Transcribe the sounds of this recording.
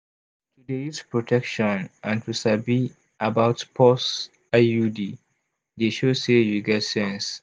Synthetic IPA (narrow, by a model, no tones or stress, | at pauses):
tudespɹɔtʰɛkʃɔ̃nʔãntusabi | ʔabaʊtpʰɔs | ajudi | deʃosejuɡɛtsɛ̃ns